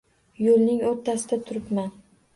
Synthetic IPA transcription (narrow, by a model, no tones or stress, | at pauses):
jolˠnɪŋoɾt̪ʰːasɪd̪at̪ʰʊɾɪpman